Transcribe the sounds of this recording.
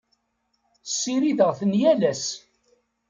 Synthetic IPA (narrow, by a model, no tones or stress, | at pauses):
sːiɾiðəʁθənjælæs